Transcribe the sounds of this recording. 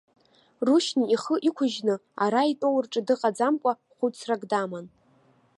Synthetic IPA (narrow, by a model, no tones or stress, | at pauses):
ruʃniiχəʔikʷʰʊʒnɨaɾaitʼowrʈ͡ʂʼɨdɨqʼad͡zamkʷʼa | χʷʊt͡sʰraɡdaman